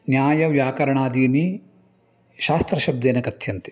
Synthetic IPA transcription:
njaːjɐʋjaːkɐɾɐɳaːd̪iːni | ʃaːst̪ɾɐʃɐb̚d̪eːnɐkɐt̪ʰjɐnt̪i̥

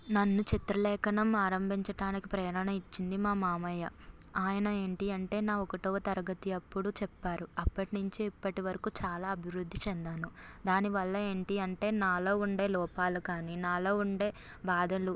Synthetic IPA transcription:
nɐnːut͡ʃit̪ɾɐlɛːkɐnɐmaːɾɐmbʱiɲt͡ʃɐɽaːnikipɾɐːjɾɐnɐit͡ʃːind̪imaːmaːmɐjɐ | aːjɐnɐe̞ːɳʈiɐɳʈe̞ːnaːɔkɐʈɔːʋɐt̪ɐɾɐɡɐt̪iɐpːuɽut͡ʃɛpːaːɾuɐpːɐʈinuɲt͡ʃiːpːɐʈiʋɐɾɐkut͡ʃaːlaːɐbʱiʋɾud̪ʱːit͡ʃɛnd̪aːnud̪aːniʋɐlːɐe̞ːɳʈiɐɳʈe̞ːnaːlo̞ːuɳɖe̞ːlɔːpaːlukaːninaːlo̞ːuɳɖe̞ː | baːd̪ʱɐlu

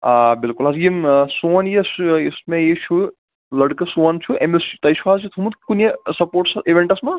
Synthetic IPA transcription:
abilkulɦazjimsonjisismejit͡ʃʰu | lɐɽkɨsunt͡ʃʰuemest̪ɐjt͡ʃʰuɦazit̪ʰumut̪kunesɐpoːɾʈsiʋeɳʈɐsma

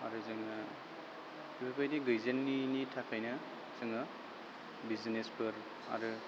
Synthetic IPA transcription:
a̰ɾɯzɯŋa | ibapʰajdiɡɯjzenːinitʰakʰajnɐ | z̥ɯŋɯ | bizinespɯɾ | a̰ɾɯ

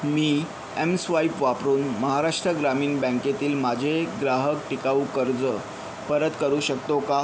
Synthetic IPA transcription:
miː | emsʋaipʋapɾuːnməɦaɾaʂʈɾəɡɾamiːnbə̃ŋket̪iːlmad͡ʑʱeɡɾaɦək̚ʈikaukəɾd͡zə | pəɾət̪kəɾuːɕək̚t̪oka

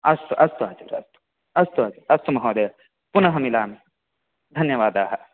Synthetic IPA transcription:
ɐst̪uʔɐst̪uaːd͡ʒɐɾɐ̰st̪u̥ | ɐst̪uaːd͡ʒɐɾɐst̪umɐɦoːd̪eː | punɐɦɐmilaːmi | d̪ʱɐnjɐʋaːd̪aːɦɐ

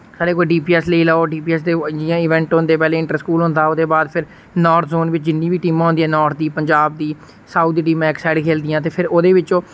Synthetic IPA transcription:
saːɾeːkoːiɖiːpiːɛːsləiːlaːoɖiːpiːɛːsd̪eːd͡ʒiːãːɪʋɛ̃ːɳʈɦʊ̃nd̪eːpɛːleːɪ̃ɳʈəɾskuːlɦʊ̃nd̪aːod̪eːbaːd̪pʰɪɾ | nɔːɾt̪ʰzoːnʋɪt͡ʃd͡ʒɪnːiːbiːʈiːmãːɦʊnd̪iːɛːnɔːɾt̪̚ʰd̪iːpəɲd͡ʒaːb̚d̪iː | saːʊd̪iːʈ̬iːmãːɪksaːɖkʰeːld̪ijãːt̪eːpʰɪɾoːd̪eːʋɪt͡ʃõː

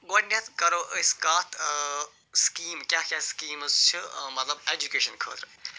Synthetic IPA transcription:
ɡoʈnʲet̪kɐɾoːʔəskaːt̪ʰ | skiːmkʲaːkʲaskiːməst͡ʃʰimɐt̪lɐbeːd͡ʒukeːʃɐnkʰə̰ːt̪ɾ

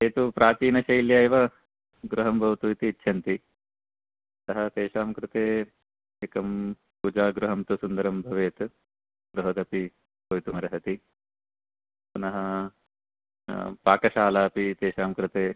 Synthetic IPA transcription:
eːt̪upɾaːt͡ʃiːnɐʃɐjljaːjʋɐ | ɡɾɐɦɐmbʱɐʋt̪uit̪iːt̪ːʃʰɐnt̪i | t̪ɐɦɐt̪eːʃaːmkɾɪt̪eː | eːkɐm | puːd͡ʒaːɡɾɐɦɐmt̪usund̪ɐɾɐmbʱɐʋeːt̪ | ɡɾuɦɐt̪ɐpi | bɐʋjit̪umɐɾɐɦɐt̪i | punɐɦɐ | paːkɐʃaːlaːpit̪eːʃaːmkɾɪt̪eː

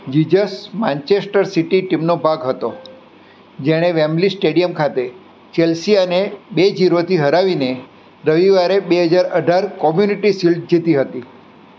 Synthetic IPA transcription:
d͡ʒid͡ʒəsmãnt͡ʃesʈəɾsiʈiʈimnobʱaɡɦət̪o | d͡ʒeɽ̃eʋɛmlisʈeɽijəmkʰat̪e | t͡ʃelsiənebed͡ʒiɾot̪ʰiɦəɾaʋine | ɾəʋiʋaɾebeɦəd͡ʒaɾəɖʱaɾkɔmjuniʈisilʈ̚d͡ʒit̪iɦət̪i

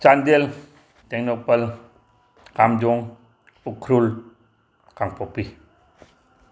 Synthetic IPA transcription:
t͡ʃandel | tɛk̚nɔpəl | kamd͡ʒɔŋ | ukʰɾul | kaŋpʰɔpi

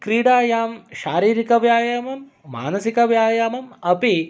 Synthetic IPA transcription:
kɾiːɽaːjaːmʃaːɾiːɾikɐʋjaːjamɐmː | a̰ːnɐsikɐʋjaːjamɐmɐpi

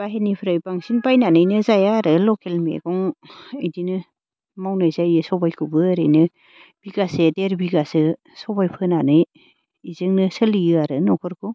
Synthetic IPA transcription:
b̥aɦenipʰɾajbaŋsinpajnanɯjnɯzajaɾɯlɔkʰelmḛɡɔŋejdinɯ | mawnɯjzajɯsɔbajkʰɯbɯːɾɯjnɯ | b̥iɡasedeɾbiɡasɯ | sɔbajpʰɯnanɯj | izɯŋnɯsɯlijɯaɾɯnɔkʰɔɾkʰɔ

